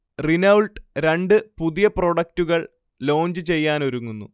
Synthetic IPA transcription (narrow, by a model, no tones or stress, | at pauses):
rinɐwɭʈɾe̞ɳɖɨpuðijɐpro̞ːɽɐk̚tuɣɐɭ | lo̞ːɲd͡ʑɨt͡ɕe̞jːaːnoɾuŋːunːṵ